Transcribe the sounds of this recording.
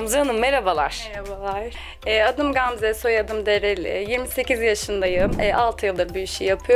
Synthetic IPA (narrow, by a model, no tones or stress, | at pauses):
mzanɯmmeɾabalˠa̰ɾ̥ɾabalˠaɾ | ɛːad̪ɯmɡamzɛso̞jad̪ɯmd̪e̞ɾel̰ʲjiɾmise̞cizjaʃɯnd̪ajɯɛːalˠt̪ʰɯjɯlˠd̪abyiʃijapʰɯj